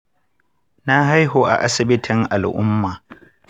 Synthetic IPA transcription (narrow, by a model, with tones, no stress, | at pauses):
na˦ɦa˦jɦoː˨ʔa̰˨ʔa˦sɪ˨bɪ˦tʰɪ˨ŋʔa˨lʔʊ̰˦mːaː˨